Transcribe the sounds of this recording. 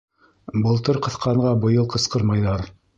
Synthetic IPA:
bɤ̆lˠt̪ɤɾqɤ̆θqɑɴɢɑbɤ̆jɤlˠqɤ̆sqɤɾmɑjðɑɾ

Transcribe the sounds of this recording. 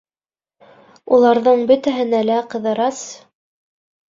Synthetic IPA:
ulˠɑɾðɤɴbɵt̪æɦɘ̆nælæqɤ̆ðɤ̆ɾɑs

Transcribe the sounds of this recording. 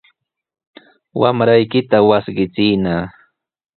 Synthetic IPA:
wamɾajkɪt̪awasɢɪt͡sɪːnaː

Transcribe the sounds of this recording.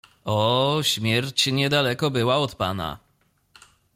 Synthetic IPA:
ɔɕmʲjɛɾt͡ɕɲɛd̪alɛkɔbɘwaɔt̪pa̰na̰

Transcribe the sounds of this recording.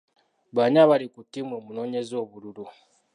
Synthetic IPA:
βaɲaβalikutːimwemunoːɲezoːβululu

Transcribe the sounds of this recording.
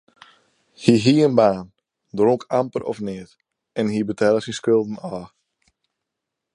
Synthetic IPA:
hiɦiəənbaːn | droŋkʰampərɔ̰fnɪːt | ɛnɦibətʰɛlˠəsinskølˠdn̩ɔː

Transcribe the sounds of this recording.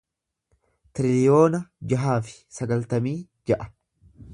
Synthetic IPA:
t̪ɪɾɪlɪjo̞ːnɐd͡ʒɐɦaːfɪ̥sɐɡɐlt̪ɐmiː | d͡ʒɐʔɐ̥

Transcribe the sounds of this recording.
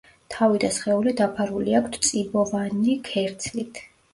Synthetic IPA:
t̪ʰavid̪asχɛulid̪apʰaɾuliakʰt̪ʰt̪sʼibɔvanikʰɛɾt̪sʰlit̪ʰ

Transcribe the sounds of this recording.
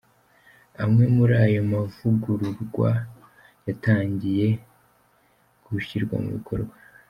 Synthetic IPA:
amŋe̞muɾaːjo̞mavuɡuɾuɾɡwa̰ | jataːɲɟije̞ | ɡ̥uuçiɾɡwa̰mṵβikʰo̞ɾɡwa

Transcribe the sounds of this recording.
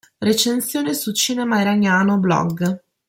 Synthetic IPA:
ret͡ʃensjoːnesut͡ʃiːnɛmaiɾanjaːnoblɔ̰ɡ

